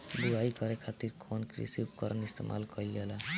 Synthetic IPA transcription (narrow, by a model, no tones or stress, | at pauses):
d̪uaikʌɾekʰat̪iɾkʰonkɾḭsiup̚kɔɾʔənist̪ḛmʔa̰lkɔiela